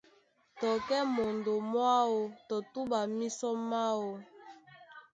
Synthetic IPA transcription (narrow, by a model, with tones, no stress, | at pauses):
tɔ˨kɛ˦mo˨ndo˨mwa˦wo˦tɔ˨tu˦ba˨mi˦sɔ˦ma˦wo˦